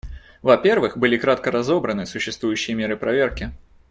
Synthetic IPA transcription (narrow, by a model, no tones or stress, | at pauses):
vɐpʲervɨxbɨlʲikɾat̪̚kəɾɐzobɾənɨsʊɕːɪst̪vujʉɕːɪjəmʲeɾɨpɾɐvʲerkʲɪ